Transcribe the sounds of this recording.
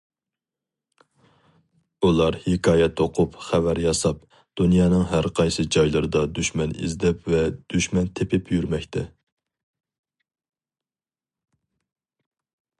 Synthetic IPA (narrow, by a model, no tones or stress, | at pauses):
ulˠɑɾhekʰɑːjɛt̪ʰoqʰʊpχævæɾjɑsɑp̚ | d̪̥unjɑːnɨŋɦæɾqʰɑjsɨd͡ʒɑjlˠɨɾɨd̪ɑd̪yʃmɛnḭzd̪ɛpvɛd̪̥yʃmɛnt̪ʰepʰɪpʰjyɾmɛkʲt̪ʰɛ